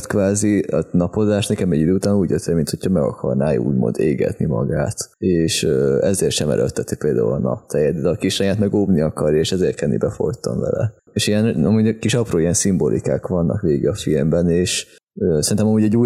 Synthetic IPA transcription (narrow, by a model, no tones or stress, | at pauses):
t̪kʋaːziɒnɒpo̞zaːʃnɛkɛmɛɟid̪øːuːt̪aːnuːɟjøt̪ʰːemint̪ho̞cʰɒmɛɡɒkʰɒrnaːṵːɟmo̰nd̪eːɡɛ̰t̪nimɒɡaːt̪eːʃøɛzeːrʃɛmɛ̰ɾʔøt̪ːɛt̪ipeːld̪aːṵlɒnɒ̰p̚t̪ʰɛjɛd̪̚d̪ɛd̪kiʃɛjaːt̪mɛɡoːbniɒkɒrjɒeːʃɛzeːrt̪kɛnːḭbɛfo̞jt̪oɱvɛ̰lɛ̰ | eːʃijɛnɒmuːɟkiʃɒproːijɛnsimbo̞lʔika̰ːkʋɒnːɒ̰kʋeːɡɛɒfilmbɛneːʃ | øsɛɾint̪ɛmɒmuːɟɛɟuːj